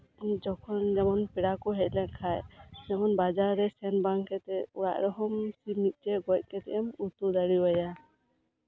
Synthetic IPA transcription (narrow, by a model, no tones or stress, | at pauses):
d͡ʒɔkʰɔnd͡ʒɛmɔnpiɽakɔɦɛc̪̚ˀlɛʔkʰajd͡ʒɛmɔnbad͡ʒaɾːɛsɛnbaŋkɛt̪ɛɔɽa̰ʔɾɔɦɔmsibnit̪̚ˀd͡ʒɛɡɔc̪̚ˀkɛt̪ɛʔɛmut̪ud̪aɽiwaja